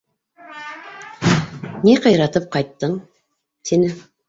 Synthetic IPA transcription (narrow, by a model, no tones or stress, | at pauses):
niqɑjɾɑt̪ɤp̚qɑjt̪ːɤɴ | t̪inɘ